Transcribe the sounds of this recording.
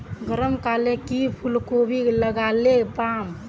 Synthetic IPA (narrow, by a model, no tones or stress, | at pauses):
ɡəɾəmkalekipʰulkobʱiləɡalepam